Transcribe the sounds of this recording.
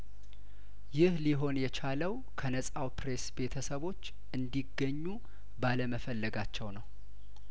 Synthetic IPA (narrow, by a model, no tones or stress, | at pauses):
jɪhliɦo̞njɛt͡ʃʰaləw | kʰənəsʼawpɾe̞sbe̞t̪ʰəsəβo̞t͡ʃː | ʔɨnd̪iɡːəɲːu | baləməfəlːəɡat͡ʃːɛwnəw